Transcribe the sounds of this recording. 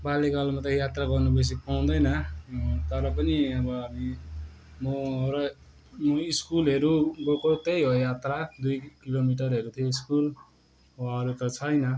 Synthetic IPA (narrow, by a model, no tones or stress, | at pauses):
baleɡalmat̪ʌjat̪raɡʌrnubes̬ipaw̃d̪ʌjnʌt̪ʌɾʌpʌniʌbʌʌmi | muɾʌ | muiskulɦeɾuɡokot̪ejɦojat̪rad̪ujkilomiʈ̬ʌrɦeɾut̪ʰijoiskul | waʌɾut̪ʌt͡sʰʌjnʌ